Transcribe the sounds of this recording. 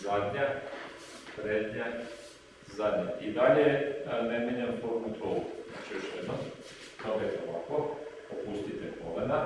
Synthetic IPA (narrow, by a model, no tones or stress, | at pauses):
zad̪ɲa | t̪ɾeːt̪ɲa | zad̪ɲaʔid̪aʎenemʲjeɲampoɾnut̪ʰouna̰t͡ʃijoʃjed̪nom | t̪obet̪oʋa̰ko | opust̪it̪ekoʋana